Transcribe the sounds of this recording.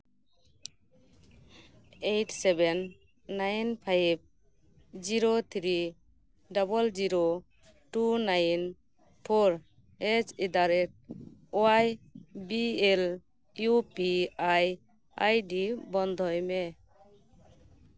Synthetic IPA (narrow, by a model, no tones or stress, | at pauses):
ejʈsebenː | ajnpʰajb̚ | d͡ʒiɾot̪ʰɾi | ɖɔbɔld͡ʒiɾo | ʈunajn | pʰoɾ | et͡ʃid̪aɾɛt̚oajbiel | jupiaj | ajɖibɔnd̪ʱɔjme